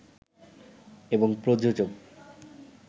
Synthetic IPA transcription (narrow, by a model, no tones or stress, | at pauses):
eboŋpɾod͡ʑod͡ʑoɡ